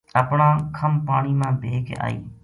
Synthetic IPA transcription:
əpɳãːkʰəmpaːɳiːmãːbʱeːka̰ːḭː

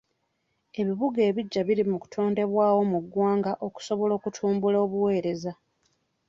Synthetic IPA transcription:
e̞βiβuɡe̞ːβiɟːaβilimuku̥tʰo̞ːnde̞βwaːwo̞muɡːwaːŋɡaʔo̞ku̥so̞βo̞lo̞ːkutʰuːmbuloːβuwe̞ːɾe̞za

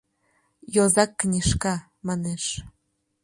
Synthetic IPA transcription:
jozɑkːnʲiʃkɑ | mɑneʃ

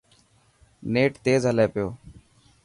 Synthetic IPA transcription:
neːʈt̪eːzɦəleːpɪjoː

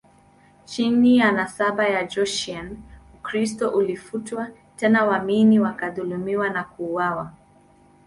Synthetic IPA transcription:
t͡ʃinijanasaɓajad͡ʒɔʃianukɾistɔʔulifutwa | tɛnawaminiwakaðulumiwanakuːwawa

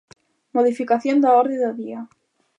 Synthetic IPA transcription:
moðifikaθjond̪aoɾðeðoðia

